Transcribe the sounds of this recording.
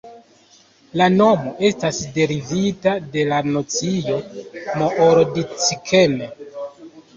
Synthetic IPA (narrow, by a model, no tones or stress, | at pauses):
lano̞mo̞ʔe̞stasde̞ɾivitade̞lanot͡sijo̞moʔoɾdit͡sikʰeme